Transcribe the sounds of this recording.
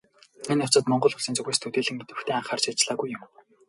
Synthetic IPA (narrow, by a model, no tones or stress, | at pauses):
enʊt͡sə̆t̪mɔɴɢɞ̆ɮʊ̆ɮsiːnt͡sɵɣeːst̪ʰɵt̪eːɮɘ̆ŋmet̪ɘ̆wxt̪ʰeːaɴχaːrt͡ɕiːt͡ɕɮaːɣujːʊm